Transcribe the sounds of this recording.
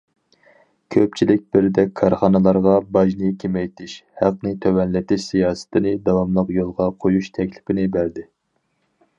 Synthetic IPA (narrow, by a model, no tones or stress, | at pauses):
kʲʰøp̚t͡ʃʰilɪk̚ʲbɪɾɪd̪ɛkʲʰːɑɾχɑnɨlˠɑɾʁɑbɑʒnɨkʲʰemɛjt̪ʰɪʃhæq̚nɪt̪ʰøwɛnlɪt̪ʰɪʃsijɑːsɪ̥t̪ʰɪnɪd̪ɑwɑmlˠəqjolˠʁɑqʰojuʃt̪ʰɛkʲlɪ̥pɪnɪbæɾd̪ɪ